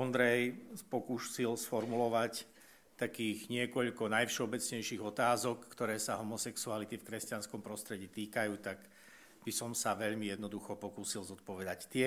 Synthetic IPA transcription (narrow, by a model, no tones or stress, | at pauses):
ɔnd̪ɾɛjpɔkuːsilsfɔɾmulɔʋac | t̪akiːɣɲɪɛkɔʎkɔnajfʃɛɔbɛt͡sɲɛjʃiːɣɔt̪aːzɔkːt̪ɔɾɛːsaɦɔmɔsɛksualit̪ifkɾɛscanskɔmpɾɔst̪ɾɛɟiːt̪iːkajuːt̪aɡ | b̥isɔmsaʋɛʎmijɛd̪nɔd̪uxɔpɔkuːsilzɔt̪̚pɔʋɛd̪act̪ɪɛ